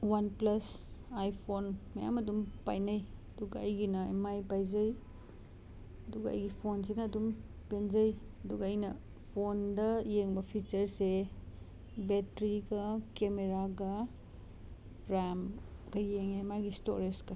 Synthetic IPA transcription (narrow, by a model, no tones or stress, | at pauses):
wanplɐsajpʰonmɐja̰mɐdumpa̰jnajɐduɡɐːjɡinɐemajpajzɐj | ɐduɡɐɐ̰jɡipʰons̬inɐːdum | penzɐj | ɐduɡɐːjnɐ | pʰondɐjeŋbɐpʰit͡ʃɐɾse | betɾiɡɐkemeɾaɡɐ | ɾamɡ̥ɐjeŋemajɡisto̰ɾeskɐ